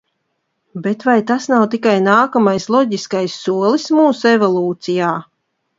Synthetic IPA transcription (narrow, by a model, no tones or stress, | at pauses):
bet̪vajt̪asnawt̪ikajnaːkamajslˠɔɟiskajsːuɔlˠismuːsuevɔlˠuːt̪sijaː